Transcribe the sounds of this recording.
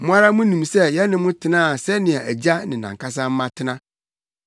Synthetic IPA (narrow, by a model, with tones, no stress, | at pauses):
mʊ̃˦a˦ɾa˦mʊ̃˦nĩ˨msɛ˦jɛ˦nɪ̃˦mʊ̃˦tʰɪ˦nãː˦˨sɛ˦nɪ̃˨a˨æ˨d͡ʑa˦nɪ̃˨nã̰˨ŋkʰa˦s̬ã˦m̩˦mã˦tʰɪ˦nã˦